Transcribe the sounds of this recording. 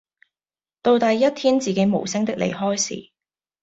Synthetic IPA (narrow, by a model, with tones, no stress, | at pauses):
t̪o˧wt̪ɐ˨jːɐ˥t̚t̪ʰiː˥nt͡siː˨ke˨˧˥jmo˨˩wsɪ˥ŋt̪ɪ˥k̚lḛ˨˩jɦɔː˥jsḭː˨˩